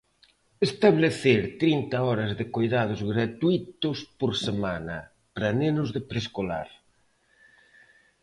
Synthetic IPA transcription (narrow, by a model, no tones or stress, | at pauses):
est̪aβleθeɾt̪ɾint̪ɐɔɾɐzðɪkojðað̞ʊzɣɾat̪uit̪ʊspoɾsemanɐ̰ | pɾɐnenʊzðɪpɾeskola̰ɾ